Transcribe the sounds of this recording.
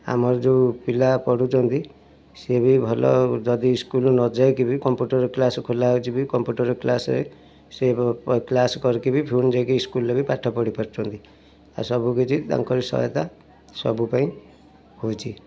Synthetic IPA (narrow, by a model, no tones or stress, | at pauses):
a̰mɔɾɔd͡ʒepilapɔɽut͡ʃʰɔnt̪i | sebibʱɔlɔ̰d͡ʒɔd̪iːskulnɔd͡ʒaekibikɔmpjuʈɔɾeklasɔkʰolawt͡ʃʰibikɔmpjuʈɔɾeklasɔɾḛ | seklaskɔɾikibipʰund͡ʒajkiːskulːebipaʈʰːɔpɔɽipɔɾt͡ʃʰɔnt̪i | a̰sɔbukit͡ʃʰid̪a̰ŋkɔɾisɔ̰ɦjḛt̪a | sɔ̰bupaĩ | hot͡ʃʰi